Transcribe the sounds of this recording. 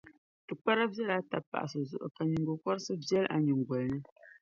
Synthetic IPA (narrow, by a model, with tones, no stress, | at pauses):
tɨ˨k͡pa˦ɾa˦bjɛ˦la˨˦ta̰˨pːa̰˨ʔsɨ˨zṵ˨ʔʊ˨ka˨ɲɨ˨ŋɡo˨kɔ˦ɾsɨ˦bjɛ˦la̰˨ɲɨ˨ŋ˨ɡwɔ˨lnɨ˦